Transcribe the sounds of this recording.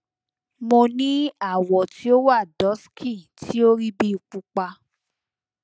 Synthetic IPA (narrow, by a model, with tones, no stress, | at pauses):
mo˧nĩ˦a˦˨wɔ˨ti˨˦o˦wa˦˨dɔ˨˦skʰi˦˨tʰi˦o˦ɾi˦bi˦u˨k͡pu˧k͡pa˧